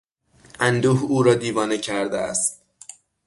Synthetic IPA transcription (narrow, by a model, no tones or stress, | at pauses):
ʔænd̪uːhuːɾɒːd̪iːvɒːnecʰæɾd̪ḛæ̰st̪